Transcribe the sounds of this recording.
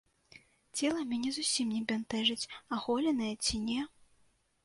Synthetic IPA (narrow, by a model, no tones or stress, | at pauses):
t͡sʲɛlˠɐmʲɛnʲɛzusʲimnʲɛbʲɛnt̪ɛʐɨt͡sʲaxɔlʲɛnɐjɛt͡sʲinʲɛ